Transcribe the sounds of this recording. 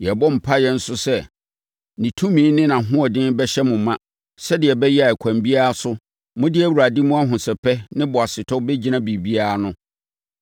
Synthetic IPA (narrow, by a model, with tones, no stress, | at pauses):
jɛ˨bɔ˦m̩˨pʰa˦jɛ˦n̩˦sʊ˦sɛ˦ | nĩ˨tʰũ˦mĩ˨˦nɪ̃˦nã˨ɦʊ̃˦ɔ˨dɪ̃˦nbɛ˦ɕɛ˦mʊ̃˨˦mã˦ | sɛ˦dɪ˨ɛ˨bɛ˦jɛ˦a˨ɛ˨kʷʰã˨mbi˦a˦a˦sʊ˦ | mʊ̃˦dɪ˦ɛ˦˨wu˨ɾa˨di˦mʊ̃˦a˦ɦʊ̃˨sɛ˨pʰɛ˦nɪ̃˦bɔ˨a˨sɪ˨tʰɔ˦bɛ˦d͡ʑi˦nã˦bi˨bi˦a˦a˦nʊ̃˦